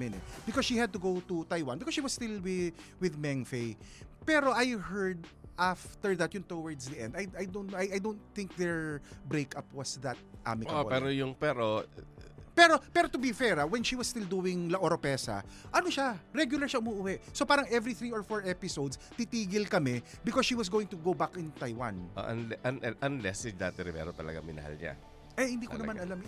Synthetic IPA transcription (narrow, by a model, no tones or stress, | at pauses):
ɪnɛ̰b̥ɪkɔsʃihɐd̪̚t̪ʊɡowt̪ut̪ajwa̰nbɪkɔsʃiwɐsst̪ɪlwɪwɪðmɛŋfej | pɛɾo̞ʔajhɛɹd̪ʔaft̪ɛɹðɐt̪̚jʊnt̪owɐɹd̪sd̪iʔɛ̰nd̪ajajd̪ont̪ajajd̪ont̪θɪ̃ŋk̚ðɛɹbɾejkʰapwɐsðɐt̪̚ʔa̰mɪkaopɛɾojʊŋpɛɾo | pɛɾopɛːɾot̪ʊbifɛɹɐwɛnʃiwɐsst̪ɪld̪uːwɪŋlɐʔoɾopɛːsɐ̰ʔɐnoʃaɾɛɡjʊlɐɹʃaʔʊmuʔʊwɛʔsopaːɾɐŋʔɛvɾiθɹiːɔɹfoɹʔɛpɪsowd̪st̪it̪iːɡɪlkɐmɛbɪkɔsʃiːwɐs̬ɡoːwɪ̃ŋt̪ʊɡowbakɪnt̪ajwa̰nʔo̰ʔɐnlɛʔɐnʔɐʔɐnlɛsɪd̪aːt̪ɛɾɪmɛ̰ɾot̪ɐlɐ̰ɡa̰mɪ̰nɐ̰ha̰lɲa̰ | ʔɐjhɪnd̪iːk̪onɐmanʔɐlam